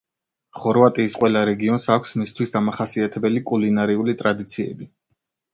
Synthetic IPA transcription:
χɔɾvat̪ʼiːsqʼwɛlˠaɾɛɡiɔnsakʷʰsmist̪ʰwisd̪amaχasiat̪ʰɛbɛlikʼulinaɾiulit̪ʼɾad̪it̪sʰiɛ̰bi

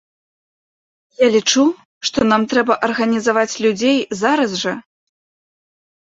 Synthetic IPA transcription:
jalʲit͡ʂu | ʂt̪ɔnamt̪ɾɛbɐʔɐrɣɐnʲizavat͡sʲlʲud͡zʲejzaɾɐzʐɐ

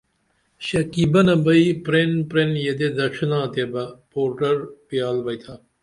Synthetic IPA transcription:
ɕɐkibɐnɐbɐipɾenpɾenjed̪ed̪ɐʃnãːt̪ebɐpoːɾʈɐɾpijaːlbɐjt̪ʰa

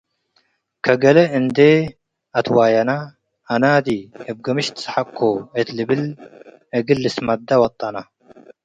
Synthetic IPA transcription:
kʰɐɡɐlɐʔɨnd̪e | at̪waːjɐnaː | naːd̪ikʰɐb̚ɡɐmɨʃt̪ʰɨ̥sħakʰːoet̪lɨbɨl | ʔɐɡɨlːɨsmɐd̪ːawɐt̪ʼːana

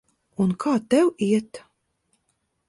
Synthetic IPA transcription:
unkʰaːt̪ɛwiɛt̪

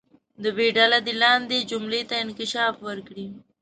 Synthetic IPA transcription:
d̪əbeɖalad̪elɑnd̪ed͡ʒʊmlet̪aɪnkɪʃɑfwəɾkɽi

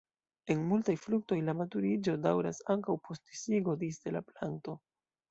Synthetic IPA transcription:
e̞nmultajfluk̚to̞jlamatuɾid͡ʒo̞dawɾa̰saŋkawpʰo̞stisiɡo̞disde̞laplanto̞

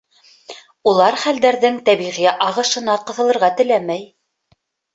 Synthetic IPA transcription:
ulˠɑɾχæld̪æɾðɘŋt̪æβiʁiʔɑʁɤ̆ʃɤ̆nɑqɤ̆θɤ̆lˠɤ̆ɾʁɑt̪ɘ̆læmæj

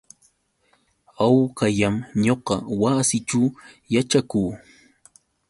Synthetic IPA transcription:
awkaʎamɲoqɑwasɪʈ͡ʂa | jaʈ͡ʂakuː

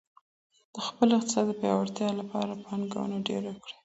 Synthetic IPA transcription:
d̪̥əxpəlɪqt̪ɪ̥sɑd̪d̪əpjɑ̰waɾt̪jɑlapɑɾapɑnɡa̰wə̰naɖḛɾakɽe

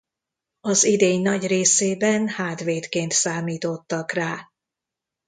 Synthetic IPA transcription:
ɒzid̪eːɲnɒɟreːseːbɛnhaːt̪ʋeːt̪keːnt̪saːmiːt̪o̞t̪ːɒkraː

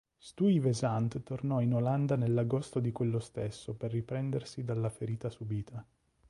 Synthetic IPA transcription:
st̪uivezant̪t̪ornɔinoland̪anelːaɡost̪od̪ikwelːost̪esːoperːipɾɛnd̪ersid̪alːafeɾiːt̪asubiːt̪ʰa

